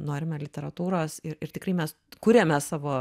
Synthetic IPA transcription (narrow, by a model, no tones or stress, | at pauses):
noːɾʲɪmʲɛlʲɪt̪ʲɛɾɐt̪uːɾoːsɪɾɪɾt̪ʲɪkrɐɪmʲɛs | kʊɾʲemʲɛsɑːʋoː